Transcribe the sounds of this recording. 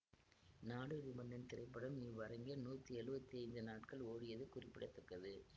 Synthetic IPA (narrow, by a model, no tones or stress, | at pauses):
naːɽɯʋɪbɐnd̪ɐnt̪ɪɾɐɪpːɐɽɐmniːʋɐɾɐŋɡɐnuːt̪ːiɛɻɯbɐt̪ːiɐɪnd̪ɯnaːʈkɐɭoːɻɪjɐðɯkʊrɪpːɪɽɐt̪ːɐkːɐðɯ